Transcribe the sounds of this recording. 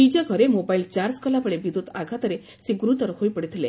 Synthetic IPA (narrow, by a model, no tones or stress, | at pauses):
id͡ʒaɡʱɔɾemobailt͡ʃaɾskɔlapəɭebid̪ut̪aɡʱat̪ɔɾe | seɡuɾut̪ɔɾhojpəɽit̪ʰile